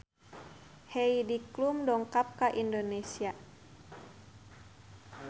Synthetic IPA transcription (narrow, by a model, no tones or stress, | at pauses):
hɛidiklumdɔŋkap̚kaʔindonesia